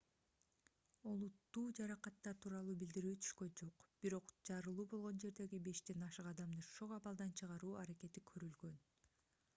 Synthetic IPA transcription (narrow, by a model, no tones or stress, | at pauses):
o̞lˠut̪ːuːd͡ʒɑɾɑqɑt̪ːɑt̪ʰuːɾɑlˠuːbild̪iɾyːt̪ʰy̥ʃkø̞nd͡ʒo̞qb̥iɾo̞qd͡ʒɑɾɯlˠuːbo̞lˠʁo̞nd͡ʒe̞ɾd̪e̞ɡibe̞ʃd̪e̞nɑʃɯqɑd̪ɑmd̪ɯʃoʁɑβɑlˠd̪ɑnt͡ʃʰɯʁɑɾuːɑɾake̞t̪ikʰø̞ɾylɡø̞n